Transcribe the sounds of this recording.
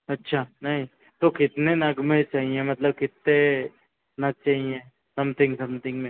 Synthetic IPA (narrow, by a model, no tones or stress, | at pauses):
ɐtːʃʰaːnɐɦĩ | t̪okɪt̪nenɐɡmẽt͡ʃaːɦiẽmɐt̪ləb̚kɪt̪ːe | nɐɡ̚t͡ʃaːɦiẽ | sɐmt̪ʰɪ̃ŋɡsɐ̃mt̪ʰɪ̃ŋɡmẽː